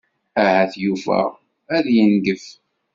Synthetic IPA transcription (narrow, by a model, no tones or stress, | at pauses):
æhæθjuvæ̰ | æðjənɡəf